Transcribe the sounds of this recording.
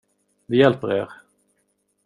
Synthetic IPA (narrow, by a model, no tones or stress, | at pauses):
d̪ɛjɛlpəɾḛːɾ